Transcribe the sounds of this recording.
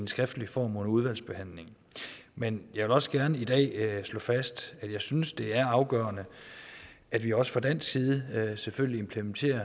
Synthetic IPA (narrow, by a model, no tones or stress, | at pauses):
ensɡ̥ʁɛfd̥əlifɒ̰ːmonuð̞ˠʋæl̰sb̥e̝hæn̰le̝ŋ | menjɑ̈ɪʋe̝lɒ̽səɡ̥æɐnəid̥ɛ̰ːslɔ̰̽ːfæsd̥æd̥jɑ̈ɪsynsd̥e̝æɐɑ̈ʊɡ̥œ̰ːɐnə | ʔæd̥ʋiɒ̽sə̥fʁɑd̥æn̰sɡ̥siːð̞ˠəseføljlie̝mpʰlement͡sʰe̝̰ːɐ